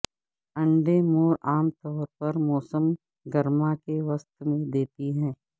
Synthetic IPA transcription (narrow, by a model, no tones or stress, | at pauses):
ə̃ɳɖemoːɾaːmt̪ɔːɾpɐɾmɔːsəm | ɡəɾmakeʋəst̪mẽd̪eːt̪iɦɛ̃ː